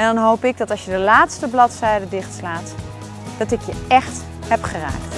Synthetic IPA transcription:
ɛndɔnɦowpɪɡ̚dɔtɑlˠsjədəlaːtstəblɔtsɛjdədɪχtslaːt | d̥ɔtɪkjəɛxt | hɛpχəra̰ːkt

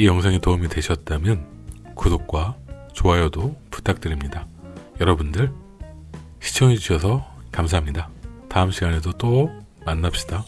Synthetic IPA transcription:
ijʌŋsʰeŋitoumitwe̞ɕʰʌt̚t͈amjʌn | kudok̚k͈wat͡ɕoɦajʌdopu̥tʰak̚t͈ɯɾimɲidajʌɾʌbundɯɭ | ɕʰi̥t͡ɕʰʌŋed͡ʑiɕʰʌs̬ʰʌkamsʰaɦamɲidataɯmɕʰiɡane̞sʰot͈o | manːap̚ɕ͈i̥da

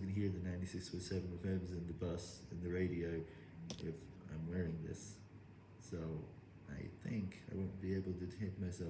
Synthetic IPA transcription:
ɡɨ̃nɨɦiɹðɨnãɪ̃ntisɪkswɨ̥sɛvɨ̃novɛ̃mzɨ̃nðɨbʌsɨ̃nðɨɹeɪɾioʊ | ʔɪf | ã̰ɪ̃mwɛɹɪ̃ŋðɪ̰sː | oʊ | ʔa̰ɪθɪ̃ŋkʰaɪwõʊ̃nb̥ieɪbl̩ˠtɨtʰẽɪ̃k̚maɪsɛ

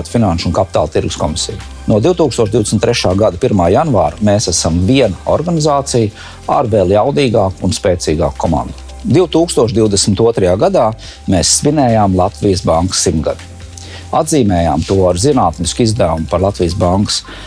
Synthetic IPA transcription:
t̪finanʃunkapi̥t̪a̰ːlˠt̪iɾɡuskɔmisḭj | nuɔd̪iwt̪uːkst̪uɔʃd̪iwd̪esmnt̪ːɾɛʃaːɡad̪ɐpiɾmaːjanvaːɾmeːsæsamviɛnaɔɾɡanizaːt̪sij | aɾveːlˠjawd̪iːɡaːkunspeːt̪siːɡa̰ːkkʰːɔma̰nd̪u | d̪iwt̪uːkst̪uɔʃ̬d̪iwd̪esmɪt̪uɔt̪ɾɐjaːɡad̪aː | meːsːvinɛːjaːmlˠɑt̪vijəsbaŋksimɡa̰d̪i | ad̪ziːmɛːja̰ːmt̪uɔaɾzinaːt̪niskizd̪æwumpaɾlˠat̪vijsbaŋks

